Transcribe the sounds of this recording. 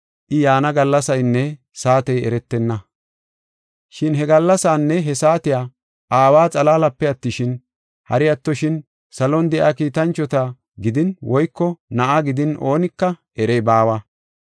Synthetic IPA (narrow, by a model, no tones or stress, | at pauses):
ʔɪjaːnɐɡɐlːɐsɐjnːɛ | saːt̪ɛjɛ̰ɾɛt̪ːɛnːɐ | ʃɪnɦɛɡɐlːɐsaːnːɛɦɛsaːt̪ɪjaː | ʔaːwaːt͡sʼɐlaːlɐpːɛɐt̪ːɪʃɪn | hɐ̰ɾɪjɐt̪ːɔʃɪn | sɐlɔnd̪ɛʔaːkiːt̪ɐnt͡ʃːɔt̪ɐ | ɡɪd̪ɪnwɔjkːɔnɐʔaɡɪd̪ɪnʔo̞ːnɪkːɐʔɛɾɛjbaːwa